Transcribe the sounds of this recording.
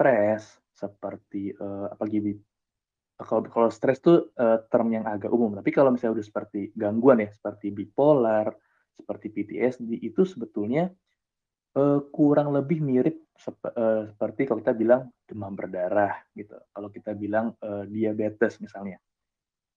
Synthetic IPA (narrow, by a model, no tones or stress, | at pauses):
st̪ɾɛsː | əpərt̪iəːapaɡibi | əkakalast̪ɾɛst̪uʔət̪ərmjaŋaɡaʔumʊmt̪apikalowmisaɲaudahsə̥pərt̪iɡaŋɡuanjasə̥pərt̪ibipolar | sə̥pərt̪ipit̪ḭɛsdiʔit̪usəbət̪ulɲa | ʔəːkuɾaŋləbɪhmiɾɪp̚səəsəpərt̪ikalokit̪abilaŋd͡ʒəmahbərdaɾahɡit̪ṵkalakit̪abilaŋəːdiabet̪əsmisalɲa